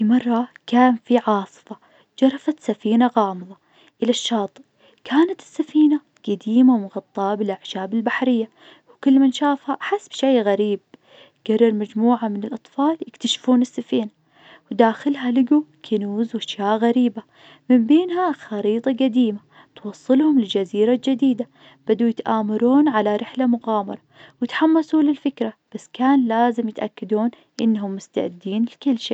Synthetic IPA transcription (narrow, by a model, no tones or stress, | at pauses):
imɑrˤːɑkaːnfiʕɑːsˤɨ̥fɑ | d͡ʒɑɾˤɑfat̪safiːnaɣɑːmɨðˤɑ | ʔɪlaʃːɑːt̪ˤɨʔ | kaːnat̪ɪ̥sːafiːna | ɡ̥ad̪iːmawmʊɣɑt̪ˤːɑːbɪlʔaʕʃaːbɪlbaħɾɪjːa | wkɪlːmanʃaːfhaʔħasːbʃaːɣaɾiːb̚ | ɡ̥arːɑɾmad͡ʒmuːʕamɪnɪlʔɑt̪ˤfɑːljɪkt̪aʃfuːnɪsːafiːna | wd̪aːxɪlɦalɪɡukʰanuːzwaʃjaːʔɣaɾiːba | mɪmbeːnhaxɑɾiːt̪ˤɑɡad̪iːma | t̪wɑsˤːɨlhʊmɪlɪld͡ʒaziːɾald͡ʒɪd̪iːd̪a | b̥ad̪ujɪt̪ʔaːmɑɾuːnʕalaɾɪħlamʊɣaːmɑ̰ɾˤɑwɪt̪ħamːasuːlɪlfɪkɾab̥asːkaːnlaːzɪmjɪt̪ʔa̰kːad̪uːn | ʔɪnːɦʊmːʊst̪a̰ʕɪd̪ːiːnlkɪlːʃiː